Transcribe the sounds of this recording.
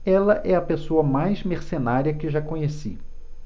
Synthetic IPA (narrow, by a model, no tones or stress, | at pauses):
ɛlɐʔɛɐpesoɐmajzmeɾsenaɾiɐkɪʒakõɲesi